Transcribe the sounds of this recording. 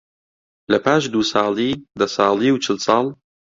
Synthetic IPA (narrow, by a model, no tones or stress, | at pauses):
lɐpʰaːʃd̪uːsɑːliːd̪ɐsɑːliːwt͡ʃʰɨlsɑːlˠ